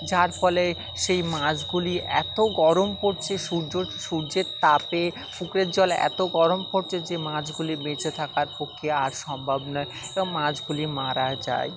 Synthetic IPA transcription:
d͡ʑaɾfɔle | ʃejmãd͡ʑɡuliʔɛ̰t̪oɡɔɾompoɾt͡ɕʰeʃuɾd͡ʑoʃuɾd͡ʑeɾt̪ape | fukɾeɾd͡ʑɔlɛ̰t̪oɡɔɾompoɾt͡ɕʰed͡ʑemãd͡ʑɡulibet͡ɕʰet̪ʰakaɾpokʰːeaɾʃɔmbʱabnɔeeboŋmãd͡ʑɡulimaɾad͡ʑa̰e

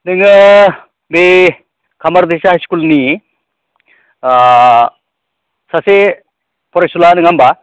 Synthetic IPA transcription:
niŋ | be | kʰɐmɐɾd̪esaɦskulni | sɐse | pɔɾesulaniŋamba

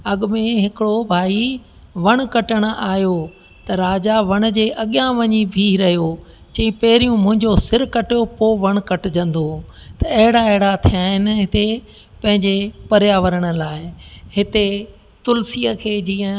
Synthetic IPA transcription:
ɐɠʊ̆mẽɦɪkɪɽobʱaːi | ʋɐɽ̃̆kɐʈəɽ̃ʊ̆ʔaːɦjo | t̪ɐɾaːd͡ʑaʋɐɽ̃̆d͡ʑeːʔɐɠjãʋɐɲibʱiɾɐɦijo | t͡ɕɐ̃ĩpɐɦɪɾijũmʊ̃ɦɪ̃ɲd͡ʑosɪɾkɐʈijopoʋɐɽ̃kɐʈɪd͡ʑɐ̃nd̪o | t̪ɐɐɦɪɽaɐɦɪɽat̪ʰijaːɦɪnɪ̆ɦɪt̪e | pɐ̃ɦɪ̃ɲd͡ʑepɐɾjaʋɐɾəɽ̃ʊ̆laːɪɦɪt̪e | t̪ʊlsiːəkʰeːd͡ʑiːə̃

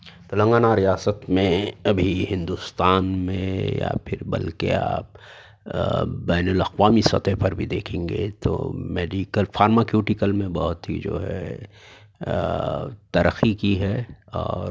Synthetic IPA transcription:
t̪olə̃ŋɡaːnaɾijaːsət̪mẽɐbʱiɦɪ̃nd̪ust̪aːnmḛ̃ja̰pʰɪɾbɐ̰lkḛa̰ːp | bɛːnəlɐqʋaːmisɐ̰t̪ɛɦpɐɾbʱid̪eːkʰẽːŋɡet̪o̰meːɖikəlfaːɾmakjuːʈɪkəlmẽbɐɦʊt̪ɦḭd͡ʒo̰ːɦɛ̰ | t̪ɐɾəxikiɦɛɔːɾ

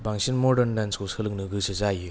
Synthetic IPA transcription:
baŋsinmɔdənlanskosɯlɯŋnɯɡɯsɯzajɯ

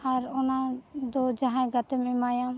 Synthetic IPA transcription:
aɾɔnad̪ɔd͡ʒaɦãjɡat̪ɛmɛmajam

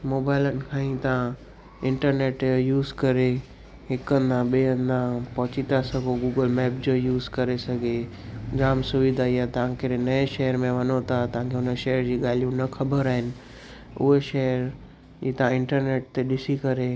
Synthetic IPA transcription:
moːbaːɪlənɪ̆kʰãːĩt̪ɐʋ̤ã | ɪ̃ɳʈəɾneːʈjuːzkɐɾe | ɦɪkə̃nd̪ʱãɓeːə̃nd̪ãpɐɦʊt͡ɕit̪asɐɡʱoɡuːɡəlmɛːp̚d͡ʑojuːzkɐɾesɐɡʱe | d͡ʑaːmsʊʋɪd̪ʱaijat̪ɐʋ̤ãkɪɾenɐeʃeɦəɾmẽʋɐnot̪ʰat̪ɐʋ̤ãkʰeɦʊnəʃeɦəɾd͡ʑiːɠaːlijũnɐkʰɐbəɾaːɦɪnɪ̆ | ʊ̰ɦeʃɐɦəɾ | iːt̪ɐʋ̤ãɪ̃ɳʈəɾneːʈ̚t̪eɗɪsikɐɾe

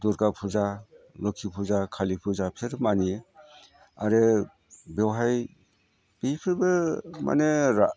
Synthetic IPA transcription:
duɾɡapʰuzalɔkʰipʰuzakʰalipʰuzapʰeɾmanie | a̰ɾe | bewɦaj | b̥ipʰiɾbɯma̰neɾa

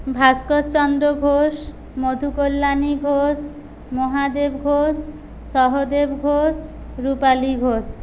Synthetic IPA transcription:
bʱaskot̪t͡ʃɔnd̪ɾɔɡʱos | mod̪ʱukolːaniɡʱos | moɦad̪ebɡʱos | sɔɦod̪ebɡʱos | ɾupaliɡʱos

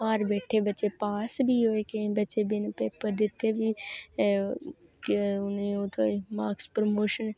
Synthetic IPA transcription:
aːɾbeːʈʰeːbətːt͡ʃepaːsbʱiːɦoːekẽbətːt͡ʃebɪnpeːpəɾd̪ɪt̪eːbiː | ʊnioːt̪omaːkspɾomoːʃən

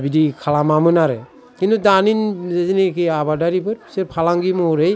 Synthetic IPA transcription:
bidikʰalamamɯnaɾe | kintʰudaninzezinikiabadaɾipʰɯɾpʰi̥seɾpʰalaŋɡimɔɾej

